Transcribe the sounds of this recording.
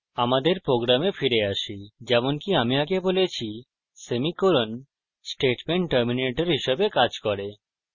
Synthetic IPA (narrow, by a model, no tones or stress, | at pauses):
amad̪eɾpɾoɡɾamefiɾeaʃid͡ʑɛmonkiamiaɡebolet͡ɕʰi | semikoɾon | sʈeʈmeɳʈʈːəɾmineʈoɾɦiʃebekad͡ʑkɔɾe